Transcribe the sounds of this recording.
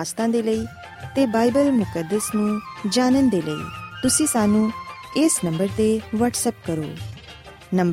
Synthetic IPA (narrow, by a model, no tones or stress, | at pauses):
st̪ãːd̪eːləiː | t̪ebaːɪbəlmʊkəd̪ːəsnũːd͡ʒaːnənd̪eːləḭːt̪ʊsĩːsaːnũːɪsnə̃mbəɾt̪eʋəːʈsəp̚kəɾo̰ː | nə̃m